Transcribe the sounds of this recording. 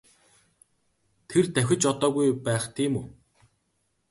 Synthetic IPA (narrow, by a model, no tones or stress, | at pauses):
t̪ʰert̪æxʲɪ̆t͡ɕɔt̪ɔːɣujpæːχt̪ʰiːmuː